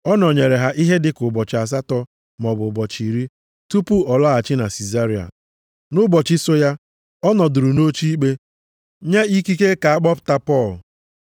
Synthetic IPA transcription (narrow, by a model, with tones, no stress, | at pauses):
ɔ˦nɔ˨ɲe˨ɾe˨ɦa˨ʔi˦ɦe˦dɪ˨kʊ˨bɔ˨t͡ʃɪ˨a˨s̬a˦tɔ˦ | mɔ˨bʊ˨bɔ˨t͡ʃi˨ɾi˦ | tu˦pu˦ɔ˨lɔ˦a˨t͡ʃɪ˦na˨si˨za˦ɾi˨˦a̰˨ | nʊ˦bɔ˨t͡ʃɪ˦sʊ˦ja˦ | ɔ˦nɔ˨dʊ˨ɾu˨no˦t͡ʃi˦i˦k͡pe˦ | ɲe˦i˦ki˦ke˦ka˨a˦k͡pɔ˦pʊ̥˨ta˦pɔ˦˨l